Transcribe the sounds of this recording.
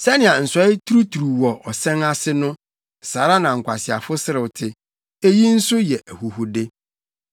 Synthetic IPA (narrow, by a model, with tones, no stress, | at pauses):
sɛ˦nɪ̃˨ã˨n̩˨sɔ˨˦ɪ˦tʰu˦ɾu˦tʰu˨ɾu˨wɔ˨ʔɔ˨sɛ̃˦na˦sɪ˦nʊ̃˦ | saː˨˦ɾa˦nã˨ŋ̩˨kʷʰa˨sɪ˨a̰˨fʊ˦sɪ˦ɾɪ˨wtʰɪ˨ | e˦ji˦n̩˦sʊ˦jɛ˨ʔæ˨hu˨ɦʊ˨de˦